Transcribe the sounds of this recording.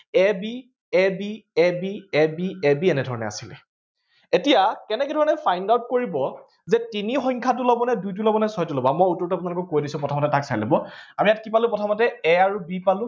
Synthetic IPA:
ɛbi | ɛbiɛbiɛbiɛbiɛnɛdʱɔɹɔnɛ̰a̰silɛ | etijakɛnɛkɛdʱɔɹɔnɛfʰajndawt̚koɹibɔ | zɛtinixɔŋkʰatʊlɔbɔnɛdujt̬ulɔbɔnɛsɔɔtɔlɔbamɔjutːɔɹtapʊunalʊkɔkojdisʊ̃pɹɔtʰamɔtɛtaksajlɔbɔamijatkipalʊpɔtʰamɔtɛɛaɹubipalʊ̃

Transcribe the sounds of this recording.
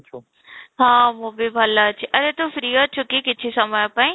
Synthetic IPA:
ɦãːmũbibʱɐlat͡ɕʰiʔɐɾet̪ofɾiət͡ɕʰʊkikɪt̪ʰisɐmajpaĩ

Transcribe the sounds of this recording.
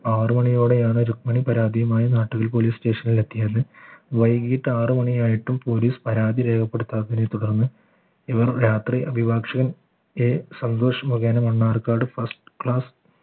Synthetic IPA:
aːrɨmɐɳijo̞ːɽe̞jaːɳɨɾuk̚mɐɳipɐɾaːd̪ijɐmaːjɐnaːʈːuɣɐlp̬oːliːsʈe̞ːʂɐnilet̪ːijɐðɨʋɐjɡiːʈːɨaːrɨmɐɳijaːjiʈːumpo̞ːliːspɐɾaːd̪ʱiɾe̞ːkʰɐpːe̞ɽut̪ːaːɐðinet̪uɽɐrnːɨ | iʋɐrjaːt̪riʔɐbʱibaːkʂɐɣɐn | eːsɐnd̪o̞ːʂɐmoɣeːnɐmɐɳːaːrkaːrɖɨfɐrsʈɨ̥kɭaːs

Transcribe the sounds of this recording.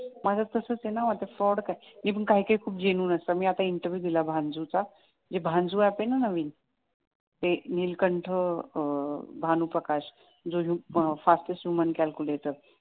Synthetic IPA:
mad͡zak̪əsəːt͡senaʋat̪afɾɔɽkajmiːp̬əɳkaɦiːkəikʰuːp̚d͡ʑenuːnəsəmiːat̪aiɳʈəɾʋjud̪ilabʱãnd͡zut͡sa | d͡ʑebʱãnd͡zuapenanəʋiːn | t̪eniːlkəɳʈʰə | bʱanupɾəkaɕ | d͡zoɦufasʈəsjumənkalkulet̪əɾ

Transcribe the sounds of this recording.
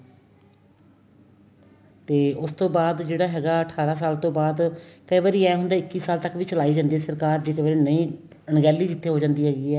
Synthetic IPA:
t̪eːʔʊst̪õːbaːd̪d͡ʒeːɽaːɦɛːɡaːəʈʰaːɾaːs̬aːlt̪õːbaːd̪kəiːʋaːɾiːɛːɦʊnd̪aːɪkːiːsaːlt̪əkʋiːt͡ʃəlaːiːd͡ʒãːnd̪iːɛːsəɾkaːɾd͡ʒeːkəʋaːɾiːnəĩː | ɳɡɛːlːiːd͡ʒɪt̪ʰːeːɦoːd͡ʒãːnd̪iːɦɛːɡiːɛː

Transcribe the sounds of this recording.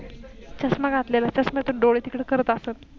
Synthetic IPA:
t͡ɕəsmaɡʱat̪lelat͡ɕəsmat̪oɖoɭit̪ikɽekəɾət̪asən

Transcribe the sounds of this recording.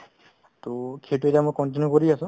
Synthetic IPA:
t̪okʰeʈuetamũjkɔɳʈ̬injukɔɾiasũ

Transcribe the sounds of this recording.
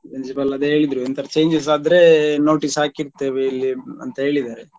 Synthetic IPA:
pɾinsipɐlɐd̪eɦe̞ːɭid̪ɾuint̪ʰɐɾɐt͡ʃeːɲd͡ʒɐs̬aːd̪ɾe̞no̞ːʈisɦaːkiɾt̪eːʋeilːiɐ̰nt̪ɐɦe̞ːɭid̪aːɾe

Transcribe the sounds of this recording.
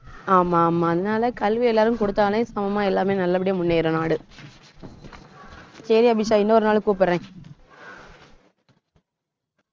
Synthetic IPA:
aːmaːmːaːɐðɐnaːlɐkɐlʋiɛlːaːɾɯmkɔɽɯt̪ːaːnɐ̃j̃sɐmɐmaːɛlːaːmeːnɐlːɐp̬ːɐɽɪjemʊnːeːɪɾɐnaːɽɯ | sɐɾiɐbɪʃaːɪnːɐɔɾɯnaːlkuːp̬ɪɾɾẽː

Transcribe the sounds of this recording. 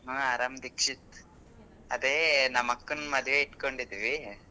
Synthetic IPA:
ɦɐ̃aːɾaːmd̪ikʂit̪ | ɐd̪eːnɐmɐkːunmɐd̪ʱjeiʈkoɳɖid̪iʋi

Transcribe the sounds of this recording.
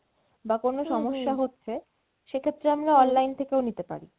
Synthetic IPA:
bakonoʃɔmoʃːaɦotːɕʰe | ʃekʰet̪ːɾeamɾaɔnlajnt̪ʰekewnit̪epa̰ɾi

